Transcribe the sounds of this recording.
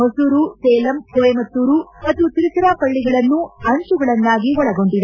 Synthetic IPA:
ɦosuːɾusɛːlɐmkɛemɐt̪ːuːɾumɐt̪ːut̪iɾit̪ɾaːpɐɭːiɡɐɭɐnːuɐɳt͡ʃuɡɐɭɐnːaːɡiʋɔɭɐɡo̞ɳɖid̪e

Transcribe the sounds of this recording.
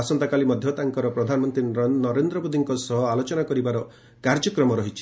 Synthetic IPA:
asɔnt̪akalimɔd̪ʱjɔt̪aŋkɔɾɔpɾɔd̪ʱanɔmɔnt̪ɾinɔɾend̪ɾɔbod̪iŋkɔsɔɦɔalot͡ʃɔnakɔɾibaɾɔ | kaɾd͡ʒɔkɾɔmɔɾɔɦit͡ʃʰi̥

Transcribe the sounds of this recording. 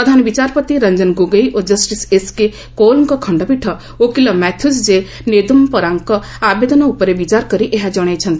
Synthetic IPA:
pɾɐd̪ʱaːnbit͡ʃaːɾpət̪iɾɐɲd͡ʒənɡoɡəiʔod͡ʒəsʈiseske | koːlnkɔkʰɐɳɖəbiʈʰɐ | okilɐmɛt̪ʰusd͡ʒe | neːd̪umpɐɾaŋkɔ | aːbed̪ənaupəɾebit͡ʃaːɾkəɾiʔeɦad͡ʒɔɽ̃et͡ʃʰɐnt̪

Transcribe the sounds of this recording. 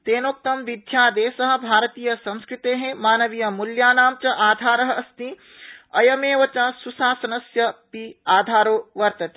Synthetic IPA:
t̪eːnoːk̚t̪ɐmʋid̪ʱjaːd̪eːsɐɦɐ̆bʱaːɾt̪iːjɐsɐ̃ñskɾɪt̪eɦẽmaːnɐʋijɐmuljaːnaːmt͡ʃɐʔaːd̪ʱaːɾɐɦɐ̆ɐst̪i | ɐjɐmeːʋɐt͡ʃɐsusaːsɐnɐsjɐpiaːd̪ʱaːɾoːʋɐɾt̪ɐt̪i̥

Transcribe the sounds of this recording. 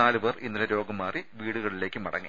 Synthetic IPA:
aːlɨʋerinːilɐɾo̞ːɡɐmːaːriʋiːɽuɣɐɭile̞ːkʲːɨmɐɽɐ̰ŋːḛ

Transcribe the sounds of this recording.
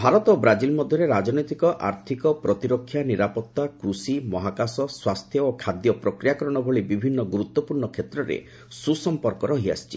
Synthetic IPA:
bʱaɾɔt̪obɾad͡ʒilmɔd̪ʱjɔɾeɾad͡ʒnɔjt̪ikɔʔa̰ɾt̪ʰikɔpɾɔt̪iɾɔkʰːjaniɾapɔt̪ːakɾusimɔɦakasɔswast̪ʰjɔokʰad̪jɔpɾɔkɾijakɔɾɔɽ̃ɔbʱɔɭibibʱinːɔɡuɾut̪ːwɔpuɾɳɔkʰet̪ɾɔɾḛ | susɔmpɔɾkɔɾɔɦia̰si̥t͡ʃi

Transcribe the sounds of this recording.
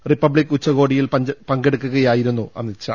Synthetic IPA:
ripːɐbɭikːut͡ɕːɐɣo̞ːɽijilpɐpɐŋɡeɽukːuɣɐjaːjiɾunːuʔɐ̰nːit͡ɕːɐ̰

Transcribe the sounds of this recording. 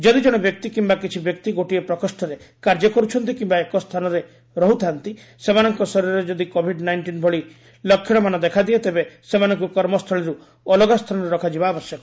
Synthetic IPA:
d͡ʒɔd̪id͡ʒɔɽ̃ɔbjɔk̚t̪ikimbakit͡ʃʰibjɔk̚t̪iɡoʈiepɾɔkɔsʈɔɾekaɾd͡ʒɔkɔɾut͡ʃʰɔnt̪ikimbaekɔst̪ʰanɔɾe | ɾɔɦut̪ʰant̪i | semanɔŋkɔsɔɾiɾɔɾed͡ʒɔd̪ikobʱiɖnajɳʈinbʱɔɭi | lɔkʰːjɔɽ̃ɔmanɔd̪ekʰad̪iet̪ebesemanɔŋkukɔɾmɔst̪ʰɔɭiɾu | ɔlɔɡast̪ʰanɔɾeɾɔkʰad͡ʒibaːbɔsjɔkɔ

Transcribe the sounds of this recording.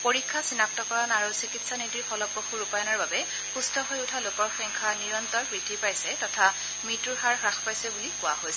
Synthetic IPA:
poɹikʰːasinak̚tɔkɔɹɔnaɹusikitsanitɹixɔlɔpːoxuɹupajɔnɔɹbabɛ | xustɔɦojʊtʰalokɔɹxɔŋkʰaniɹɔntɔɹpɹitʰipajsɛtɔtʰa | mituɹɦaɹxɹaxpajsɛbulikʊa̰ɦojsɛ

